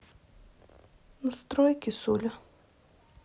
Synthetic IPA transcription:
nɐst̪ɾɔjkʲɪsuːlʲʊ

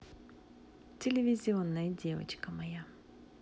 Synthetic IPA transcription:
t̪ʲʰelʲevʲizʲionːajd̪ʲeva̰t͡ʃkamaja

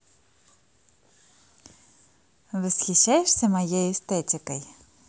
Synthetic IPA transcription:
ʋɪsxʲit͡ʃːajeʃsʲɐmɐjɛjʊst̪ɛtʲɪkɐj

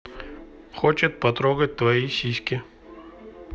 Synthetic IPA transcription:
xot͡ɕɪt̪̚pɐt̪ɾoɡət̚ʲt̪vɐisʲisʲkʲɪ

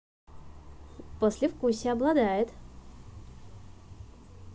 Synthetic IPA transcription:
posʲlʲɪfkusʲɪɐblˠɐd̪ajɪt̪

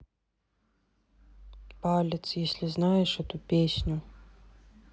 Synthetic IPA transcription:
palʲɪt̪sjesʲlʲɪznajɛʂɛt̪upʲesʲnʲʊ

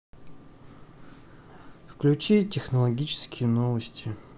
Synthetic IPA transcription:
fklʲʉt͡ɕitʲɪxnəlˠɐɡʲit͡ɕɪ̥skʲɪjənovəsʲtʲɪ

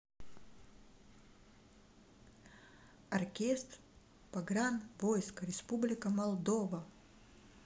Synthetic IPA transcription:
ɐrkʲest̪r | pɐɡɾanvojskəɾʲɪspublʲɪkəmɐlˠd̪ovɐ

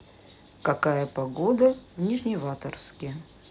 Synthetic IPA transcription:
kɐkajəpɐɡod̪əvnʲiʐnʲɪvat̪ərskʲɪ

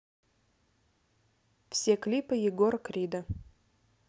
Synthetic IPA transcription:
fsʲeklʲipɨjɪɡorkɾʲid̪ɐ

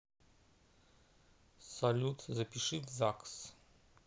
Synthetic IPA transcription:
sɐlʲut̪ʰzɐpʲiʂɨvzaks

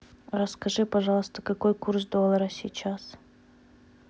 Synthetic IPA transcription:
rəskɐʐɨpɐʐɑlˠəst̪ə̥kɐko̞jkurs̬d̪olˠəɾəsʲit͡ɕas

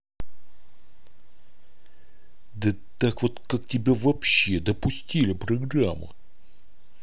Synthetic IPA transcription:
d̪ə | t̪akvot̪kak̚tʲɪbʲavɐpɕːe̞d̪əpʊsʲtʲilʲɪpɾɐɡɾamːə̰

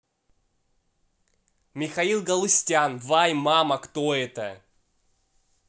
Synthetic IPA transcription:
mʲɪxɐilˠɡɐlˠʊsʲtʲanvajmamɐkt̪oɛt̪ə

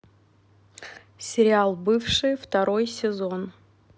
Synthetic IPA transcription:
sʲɪɾʲɪalˠbɨfʂɨjft̪ɐɾo̞jsʲɪzo̞n

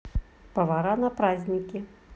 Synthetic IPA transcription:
pɐvaɾanɐpɾazʲnʲikʲi

